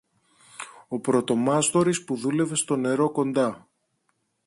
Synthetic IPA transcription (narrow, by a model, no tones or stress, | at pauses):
o̞pɾo̞t̪o̞mɐst̪o̞ɾispuðule̞ve̞st̪o̞ne̞ɾo̞ko̞nd̪ɐ